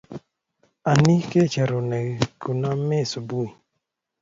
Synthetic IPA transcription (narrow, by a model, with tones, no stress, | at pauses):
a˨ni˦ke˦˨t͡ʃɛ˨ɾo˨nɛ˨ku˨na˦mɛ˦˨su˨bu˦i˨